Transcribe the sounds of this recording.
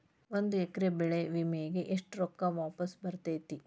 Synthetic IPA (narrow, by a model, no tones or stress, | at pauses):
ʋond̪uɛkːɐɾebɛɭeʋimejiɡeʔeʂʈɾɔkːɐʋaːpɐsbɐɾt̪ɐjt̪i